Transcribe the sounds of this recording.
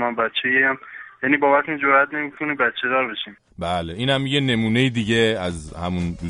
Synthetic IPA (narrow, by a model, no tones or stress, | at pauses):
mambæt̪t͡ʃʰːejeæmjænibɒːbæt̪ʰund͡ʒoɾʔæt̪ʰne̞mikʰonibæt̪t͡ʃʰe̞d̪ɒːɾbeʃim | bæːleiːnhæmːiɟene̞muːnejid̪iɟeæzhæmun